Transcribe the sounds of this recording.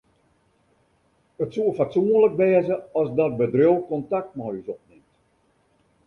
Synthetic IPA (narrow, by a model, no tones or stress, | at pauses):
ətsuəfatsuənlək̚bɛːzəɔsdɔt̚bədrowˠkɔntak̚tmɔjysɔp̚nɪmt